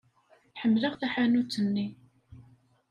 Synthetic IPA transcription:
ħəmːləʁθæħanut͡sːənːi

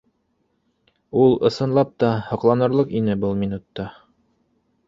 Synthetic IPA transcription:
ulˠɤ̆sɤ̆nlˠɑp̚t̪ɑhɤ̆qlˠɑnɤ̆ɾlˠɤqinɘbɤlˠminut̪ːɑ

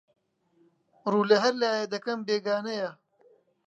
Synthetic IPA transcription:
ɾuːlɐɦɐɾlaːjed̪ɐkɐmbeːɡaːnɐja

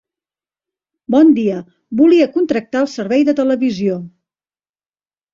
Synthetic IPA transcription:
bɔnd̪iə | buliəkunt̪ɾək̚t̪aəlˠsəɾβɛjðət̪ələβizio

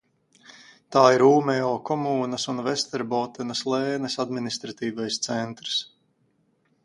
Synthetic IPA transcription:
t̪aːiɾuːmɛɔːkɔmuːnɐsunvɛst̪ɛɾbɔːt̪ɛnɐslˠɛːnɛsad̪minist̪ɾat̪iːvajst̪sɛnt̪ɾs

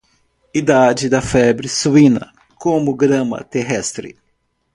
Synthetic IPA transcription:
id̪ad͡ʒɪd̪ɐfɛbɾɪsuĩnɐ̰ | kõmʊɡɾɐ̃mɐ̰t̪eɦɛst̪ɾɪ̰

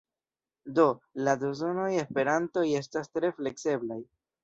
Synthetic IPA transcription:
do̞ladozo̞no̞je̞spe̞ɾanto̞je̞stastɾe̞fle̞kse̞blaj

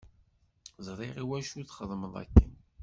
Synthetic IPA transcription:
zˤɾˤiʁiwæʃuθχəðˤməðˤæ̰kːən

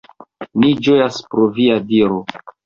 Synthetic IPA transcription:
nid͡ʒo̞jaspɾoviadiɾo

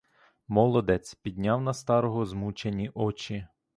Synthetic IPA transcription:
mɔlˠɔd̪ɛt͡sʲpʲid̪ʲnʲɑwnɐst̪ɑɾɔɦɔzmut͡ʃenʲiʔɔt͡ʃi

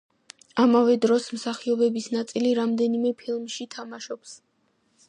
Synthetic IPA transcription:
amavɛd̪ɾɔsmsaχiɔbɛbisnat̪sʼiliɾamd̪ɛnimɛpʰilˠmʃit̪ʰamaʃɔps

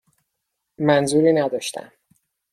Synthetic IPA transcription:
mænzuːɾiːnæd̪ɒːʃt̪ʰæ̰m

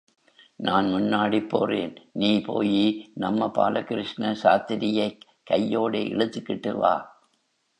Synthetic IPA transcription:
nʔaːnmʊnːaːɽipːo̰ːrḛːnniːpo̰ːjinɐmːɐpa̰ːlɐkɪɾɪʂnɐsaːt̪ɪɾɪjɐɪ | kːɐjːoːɽeːʔɪ̰ɭɯt̪ːɯkːɪʈːɯ̰ʋa̰ː

